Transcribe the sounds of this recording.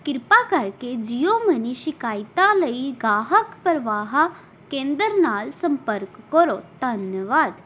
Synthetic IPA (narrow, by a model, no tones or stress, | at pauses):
kɪɾpakəɾked͡ʑijoməniʃikaːjt̪aləiɡaːɦəkpɾəʋaːɦa | kẽːnd̪əɾnaːlsə̃mpəɾkːəɾod̪ʱənjəʋaːd̪